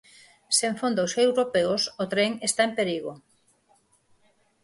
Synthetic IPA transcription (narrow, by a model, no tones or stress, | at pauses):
seɱfond̪oosewɾopeosot̪ɾeŋest̪aempeɾiɣo